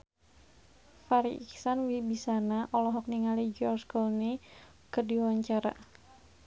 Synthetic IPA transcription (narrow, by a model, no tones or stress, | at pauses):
faɾiḭksanwibisanaʔɔlɔɦɔk̚niŋalid͡ʒɔrskɔlne | kərdiwwaɲt͡ʃaɾa̰